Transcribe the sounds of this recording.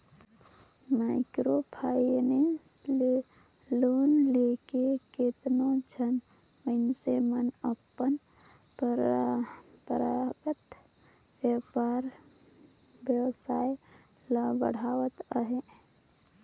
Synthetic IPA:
maːɪkɾobʰʱaːine | le | loːnleːkeket̪nõd͡ʒʱən | məɪnsemənəpːən | pɾ | pɾaɡət̪ | wjəpaːɾ | bjəwsaːj | labə̰ɽ̤aːwət̪əɦe

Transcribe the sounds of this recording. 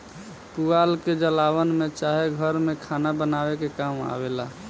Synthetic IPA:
pualked͡ʒəlawənmet͡ʃaɦeɡʱəɾmekʰanabənabekekama̰bela

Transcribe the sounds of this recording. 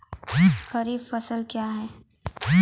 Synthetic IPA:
xɐɾiːffɐsəlkjaːɦɛː

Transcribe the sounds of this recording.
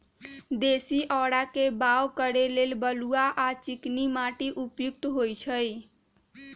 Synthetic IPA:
d̪esiʔɔɽakebawkəɾelelbəluaʔat͡ʃiknimaʈiʔupjuk̚t̪ɦojt͡ʃʰəj

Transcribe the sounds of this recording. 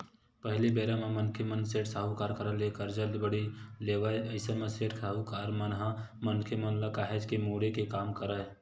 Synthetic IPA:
pəɦɪlibeːɾamẽmənkʰemənseːʈsaɦukaːɾkəɾəlekəɾd͡ʒəld̪bəɽileːʋaeəɪsəmẽseːʈkʰaɦukaːɾmənɦamənkʰemənləkaːɦed͡ʒkemuːɽekekaːmkəɾə

